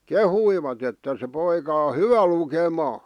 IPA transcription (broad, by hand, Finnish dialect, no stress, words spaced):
kehuiʋɑt etːæ se poikɑ o hyʋæ lukemɑː